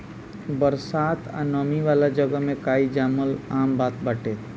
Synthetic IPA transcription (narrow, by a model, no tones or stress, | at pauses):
bəɾsaːt̪ʰa̰nɔːmiʋaːlad͡ʒəɡəɦmẽkaːid͡ʒaːməlaːmbaːt̪bəʈeːt̪